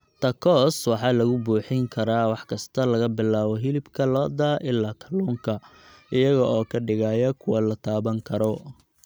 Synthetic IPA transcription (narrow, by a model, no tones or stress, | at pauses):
t̪ʰɐkʰɔːswɑħɑːlɐɣʊbuːħɪŋkʰɐɾaːwɑħkʰɐst̪ʰɐlɐɣɐbɪlaːβɔɦɪlɪbkʰɐlɔːd̪aʔɪlːaːkʰɐluːŋkʰɐ | ɪjɐɣɐʔɔːkʰɐɖɪɣaːjɐkʰʊwɐlɐt̪ʰaːβɐŋkʰɐɾɔ